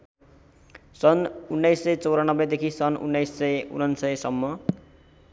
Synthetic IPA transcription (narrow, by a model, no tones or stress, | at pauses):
sʌnunːʌjsːʌjt͡sʌwɾanʌbed̪ekʰisʌnʔṵnːʌjsːʌjṵnʌnsʌjsʌmːʌ